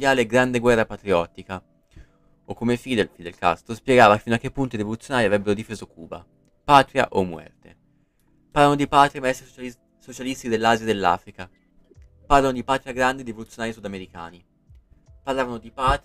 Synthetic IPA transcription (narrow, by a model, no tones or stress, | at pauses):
jaːleːɡɾand̪eɡwɛrːapat̪ɾiɔt̪ːika | okːomefid̪efid̪elka̰st̪ospjɛɡaːvafinoakːepːunt̪iɾivolut̪sːjonaːɾiavɾɛbːeɾod̪ifeːzokʰuːba̰ | paːt̪ɾja̰ʔomːwɛ̰rt̪e | parlːanod̪ipaːt̪ɾiaemaɛst̪ɾi | sot͡ʃalist̪id̪elːaːzjad̪elːa̰ːfɾika | parlanod̪ipaːt̪ɾiaɡɾand̪eɾivolut̪sːjonaːɾisud̪ameɾika̰ːni | parlaːvanod̪ipaːt̪